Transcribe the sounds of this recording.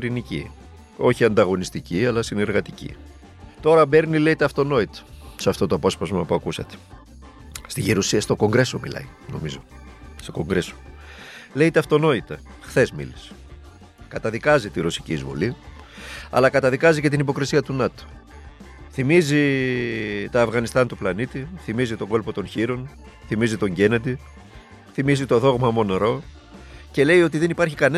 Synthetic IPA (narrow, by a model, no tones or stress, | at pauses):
ɾinicḭ | o̞çiɐnd̪ɐɣo̞nist̪iciɐlɐsine̞ɾɣɐt̪icḭ | t̪o̞ɾɐbe̞ɾnile̞jt̪ɐft̪o̞no̞it̪ɐ̥sɐft̪o̞t̪oɐpo̞spɐzmɐpuɐkusɐt̪e̥ | st̪iʝiɾosiɐst̪o̞ko̞ŋɡɾe̞so̞mḭlɐ̰i | no̞̰mizo̞st̪oko̞ŋɡɾe̞so̥ | le̞ijt̪ɐft̪o̞no̞it̪ɐxθe̞zmḭlis | kɐt̪ɐðikɐzit̪iɾo̞si̥cḭːzvo̞̰li | ɐ̰lɐkɐt̪ɐðikɐzice̞t̪inipo̞kɾisiɐt̪unɐt̪o̥ | θimizi | t̪oɐvɣɐnist̪ɐnt̪uplɐnit̪iθimizit̪o̞ɡo̞lpo̞t̪o̞nçiɾo̞n | θimizit̪o̞ɲɟe̞ned̪i | θimizit̪o̞ðo̞ɣmɐmo̞neɾo̞ | ce̞le̞jo̞t̪iðe̞nipɐɾçikɐne